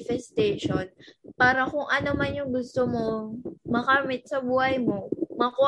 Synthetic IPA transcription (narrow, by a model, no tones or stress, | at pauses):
fɛst̪ɛʃonpaːɾɐkʊŋʔɐnomanjʊŋɡʊst̪omo̞mɐkamɪt̪̚sɐbuːhɐjmo̞mɐko